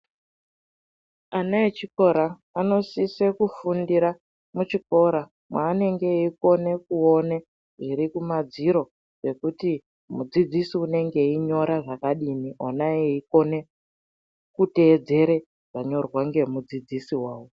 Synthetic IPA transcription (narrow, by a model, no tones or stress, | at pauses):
anaet͡ʃiko̞ɾa | ano̞sisekufundiɾa | mut͡ʃiko̞ɾa | mwaːne̞ŋɡe̞iko̞ne̞kuone | ʐiɾikumad͡ziɾo̞ | ʐe̞kuti | mud͡zid͡zisiune̞ŋɡe̞iɲo̞ɾaʐakaɗiniʔonaeiko̞ne̞ | kute̞ːd͡ze̞ɾe̞ | ʐ̥aɲo̞rwaŋɡe̞mud͡zid͡zisiwaːwo